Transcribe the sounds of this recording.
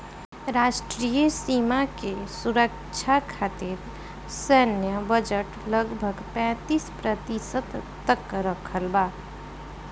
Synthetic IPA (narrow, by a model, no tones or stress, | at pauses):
ɾaːʃʈɾijəsimakesuɾək̚ | t͡ʃʰakʰat̪iɾ | sənjəbəd͡ʒəʈləɡbʱəɡpɛ̃t̪iːspɾət̪isət̪ | t̪ːəkɾəkʰəlbaː